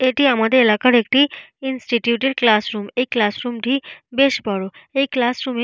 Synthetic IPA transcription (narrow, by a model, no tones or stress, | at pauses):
eʈiamad̪eelakaɾek̚ʈiinsʈiʈjuʈeɖklasɾumekːlasɾumʈibeʃbaɽoeklasɾume